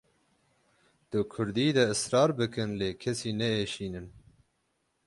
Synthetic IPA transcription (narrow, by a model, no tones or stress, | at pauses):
d̪̥ɨkʰʊɾd̪iːd̪ɛɨsɾɑːɾbɨkʰɨnleːkʰɛsiːnɛeːʃiːnɨn